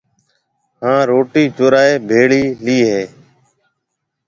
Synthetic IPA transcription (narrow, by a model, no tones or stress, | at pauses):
ɦãːɾoːʈiːt͡ʃoːɾaːeːbʱeːɭiːliːɦeː